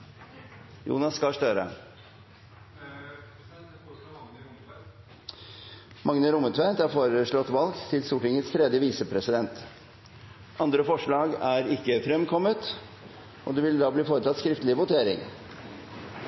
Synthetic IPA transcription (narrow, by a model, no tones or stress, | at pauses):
jṵːnɑsːkɑʂt̪øɾə̰ | mɑŋnəɾʊmət̪ʰʋænt̪æɾfoːɾəʂɭɔt̪ʋɑlɡt̪ʰɪlsuːʈɪŋət̪st̪ʰɾɛd̪jəʋiːsəpʰɾɛsɪd̪ɛnt̪ | ʔɑnd̪ɾəfɔʂɭɑːɡæɾɪkːəfɾɛmkʰɔmːət̪ | ʔɔd̪ɛʋɪld̪ɑːbliːfoːɾət̪ɑt̪skɾɪft̪əlɪʋʊt̪ʰeːɾɪ̰ŋ